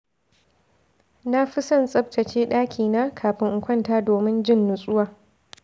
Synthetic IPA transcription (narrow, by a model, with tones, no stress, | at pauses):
na˦ɸi˦sɐ˦nsʼɐ˦b̚tʰɐ˨t͡ʃeː˦ɗaː˦kʲʰiː˨na˦kʰaː˨ɸɪ˦ŋʔʊ˨kʷɐ˦˨ntaː˦doː˨mɪ˦nd͡ʒɪ˦˨nːʊ˨sʼʊ˦waː˨